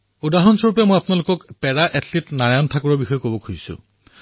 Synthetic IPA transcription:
udaɦɔnsoɹupɛmojapnalokɔkpɛɹaʔɛtʰlitnaɹajɔntʰakɔɹɔbixɔjɔkobɔkʰujsʊ̰

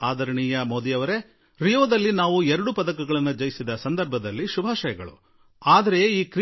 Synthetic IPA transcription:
aːd̪ʱɐɾɐɳijɐmoːd̪ijɐʋɐɾe̞ | ɾijoːd̪ɐlːinaːʋuɛɾɐɽupɐd̪ɐkɐɡɐɭɐnːud͡ʒɐjisid̪ɐsɐnd̪ɐɾbʱɐd̪ɐlːiʃubʱaːʃɐjɐɡɐɭṵ | aːd̪ɐɾe̞iːkɾ

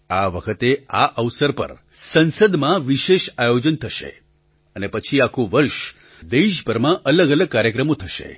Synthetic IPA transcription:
aʋəkʰət̪eaʔəʋsəɾpə̰ɾ | sənsəd̪mãʋiʃeʃajod͡ʒənt̪ʰəʃḛ | ənepət͡ʃʰiakʰũʋəɾʃ | d̪eʃpəɾmãʔələɡələɡ̚kaɾjəkɾəmot̪ʰəʃḛ

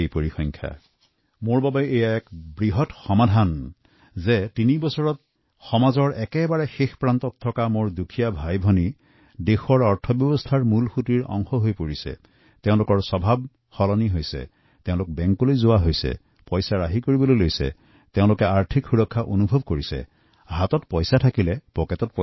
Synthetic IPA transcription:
ejpoɹixɔŋkʰja̰ | moɹbabajejaɛkbɹiɦɔtxɔmadʱan | zɛtinibɔsɔɹɔt̚ | xɔmazɔɹɛkɛbaɹɛxexpɹantɔtʰːɔkamoɹdukʰijabʱajbʱɔni | dexɔɹɔɹtʰɔbjɔbɔstʰaɹmulxutiɹɔ̰ŋxɔɦojpoɹisɛ̰ | teʊ̃lʊkɔɹsɔbʱab̚ | xɔlɔniɦojsɛ̰ | teʊ̃lʊk̚bɛŋkɔlojzowaɦojsɛ̰ | pɔjsaɹaɦikoɹibɔlojlojsɛ̰ | teʊ̃lʊkɛaɹtʰikxuɹɔkʰːaʔonubʱɔb̚koɹisɛ̰ | ɦatɔtpɔjsatʰakilɛpɔkɛtɔt̚p

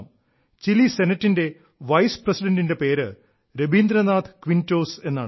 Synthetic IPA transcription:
m | t͡ɕilise̞nɐtːinde̞ | ʋɐjsprɐsiɖɐndinde̞pe̞ːɾɨ | ɾebiːnd̪ɾɐnaːd̪ɨ̥kʋinto̞ːse̞nːa̰ː

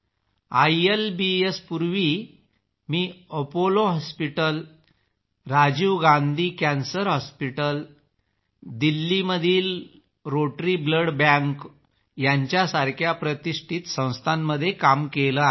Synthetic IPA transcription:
ajelbiespuɾʋi | miːəpoloɦɔspiʈəl | ɾad͡ʑiʋɡãnd̪ʱiːkænsəɾɦɔspiʈəl | d̪ilːiməd̪ʱiːl | ɾoʈɾiːbləɽbãŋk | jaɲt͡ɕjasaɾkʰjapɾət̪iʂʈʰit̪sə̃w̃st̪ʰanːəd̪ʱːjekamkeləa

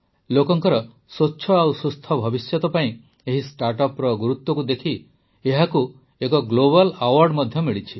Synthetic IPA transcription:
lokɔŋkɔɾɔ | sotːʃʰɔawsust̪ʰɔbʱɔbisjɔt̪ɔpaĩ | eɦisʈaɾʈɔpɾɔɡuɾut̪wɔkud̪ekʰi | eɦaku | ekɔɡloβalawaɾɖmɔd̪ʱjɔmiɭit͡ʃʰi

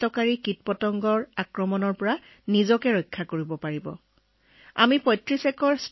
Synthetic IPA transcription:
tɔkaɹikit̚pɔtɔŋɡɔɹakɹɔmɔnɔɹpɔɹa | nizɔkɛɹɔjkʰːakoɹibɔpaɹibɔ̰ | a̰mipɔjtɹisɛkɔɹs

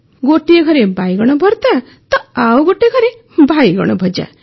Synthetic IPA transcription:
ɡoʈijeɡʱɔɾebajɡɔɽ̃ɔbʱɔɾt̪a | t̪ɔawɡoʈijɡʰʱɔɾe | bajɡɔ̰ɽ̃ɔbʱɔd͡ʒa̰

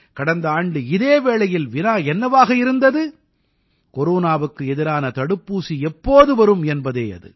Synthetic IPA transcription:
kɐɽɐnd̪ɐaːɳɖɯɪðeːʋeːɭɐjɪlʋɪnaːɛnːɐʋaːɣɐɪɾɯnd̪ɐðɯ | kɔɾuːnaːʋɯkːɯɛðɪɾaːnɐt̪ɐɽɯpːuːsiɛpːoːðɯʋɐɾɯmɛnbɐðeːɐ̰ðɯ̰

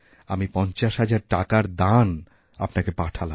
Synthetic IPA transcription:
amipɔnt͡ɕaʃɦad͡ʑaɾʈakaɾd̪an | a̰pnakepaʈʰala

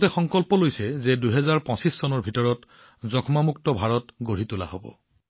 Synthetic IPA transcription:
tɛxɔŋkɔlpɔlojsɛzɛduɦɛzaɹpɔ̃sisːɔnɔɹbʱitɔɹɔt | zɔkʰmamuktɔbʱaɹɔtɡoɹitula̰ho̰bɔ̰

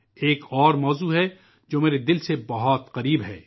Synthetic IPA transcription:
eːkʰɔːɾmɔːzuɦɛ | d͡ʒoːmeːɾed̪ɪlsebɐɦɔt̪qɐɾiːbɦɛ̰ː

